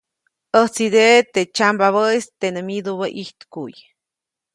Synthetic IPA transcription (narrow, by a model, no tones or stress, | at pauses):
ət͡sid̪et̪et͡ʃambaβəist̪enemid̪oβaʔiht̪kuj